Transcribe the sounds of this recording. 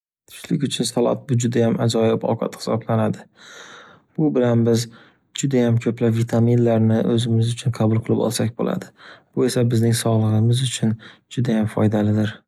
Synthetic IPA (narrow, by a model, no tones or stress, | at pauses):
t̪ʰʊ̥ʃlɪkʲʊt͡ʃʰʊnsalˠɒ̰t̪̚bʊd͡ʒʊd̪ajama̰d͡ʒɒjɪbɒ̰wqʰɑ̰t̪hɪ̥sɒ̰blanad̪ɪ | b̥ʊbɪlanbɪz | d͡ʒʊd̪ajamkʲʰɵplapvit̪ʰaminlaɾnɪʔɵzɪmɪzʊt͡ʃʰʊnqʰɑbʊlˠqʰɨlˠɪbɒ̰lˠsakʲbo̰lʔa̰d̪ɪb̥ʊe̞sabɪznɪŋsɒʁlˠɨʁɨmɪzʊt͡ʃʰʊnd͡ʒʊd̪ajamfɒjd̪alɪd̪ɪɾ